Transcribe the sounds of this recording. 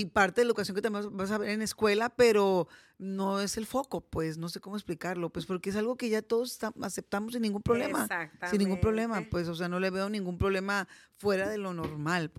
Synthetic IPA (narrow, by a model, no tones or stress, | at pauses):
ipaɾt̪eðleðukas̬joket̪amjebasaβeɾene̞skwe̞lape̞ɾo̞ | no̞e̞se̞lfo̞ko̞pwesno̞se̞ko̞moesplikaɾlo̞pwe̞spo̞ɾkees̬alɣo̞ke̞ʝat̪o̞ðo̞s̬e̥st̪aase̞p̚t̪amos̬inːĩŋɡumpɾo̞βle̞maasinːĩŋɡumpɾo̞βle̞mapwe̞s̬os̬e̞ano̞le̞βe̞onĩŋɡumpɾoβle̞mafwe̞ɾaðe̞lo̞no̞ɾmal